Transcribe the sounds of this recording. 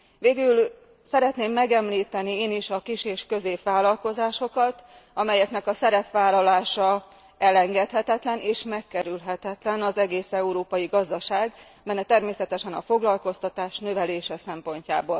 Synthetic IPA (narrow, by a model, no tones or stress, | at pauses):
veːɡyl | sɛɾɛt̪neːmːɛɡɛmliːt̪ɛnieːniʃɒkiʃeːʃkø̞zeːpʋaːlɒlko̞zaːʃo̞kɒt̪ɒmɛjɛknɛkɒsɛɾɛpʋaːlɒlaːʃɒ | ɛlɛŋɡɛt̪hɛt̪ɛt̪lɛneːʃmɛkːɛɾylɦɛt̪ɛt̪lɛnɒzɛɡeːsɛuɾoːpɒjiɡɒzd̪ɒʃaːɡ | mɛnːɛt̪ɛrmeːsɛt̪ɛʃɛnɒfo̞ɡlɒlko̞st̪ɒt̪aːʃnø̞vɛleːʃɛsɛmpo̞ɲca̰ːboːl